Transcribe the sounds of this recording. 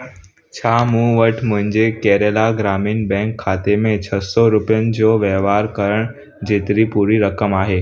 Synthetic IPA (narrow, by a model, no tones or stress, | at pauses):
t͡ɕʰaːmũːʋəʈʰmʊ̃ɦɪ̃ɲd͡ʑekɛːɾelaɡɾaːmiːnbɛ̃ːŋkʰːaːt̪emẽt͡ɕʰəsɔɾʊpjənɪ̆d͡ʑoːʋjɛʋaːɾkəɾəɳ̃ | d͡ʑeːt̪ɾipuːɾiːɾəkəmaːɦeː